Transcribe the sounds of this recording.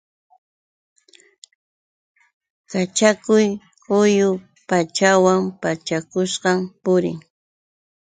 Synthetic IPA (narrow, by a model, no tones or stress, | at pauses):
kat͡ʃakʊj | ʊjʊ | pat͡ʃawampat͡ʃakʊʃqɑmpʊɾɪ̰ŋ